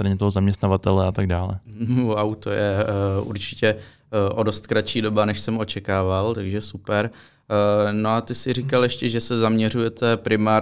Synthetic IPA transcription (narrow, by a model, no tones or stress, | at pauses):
t̪ɾaɲɛt̪oɦozamɲɛst̪navat̪ɛlɛat̪aɡdaːlɛ̰wawt̪ojɛṵɾt͡ʃɪcɛ | ʔodo̞st̪kɾat͡ʃiːdo̞banɛʃsɛmo̞t͡ʃɛkaːvalt̪aɡʒɛsupɛɾ | no̞at̪ɪsɪɾikaljɛʃcɛʒɛsɛzamɲɛr̝ujɛt̪ɛpɾɪmaː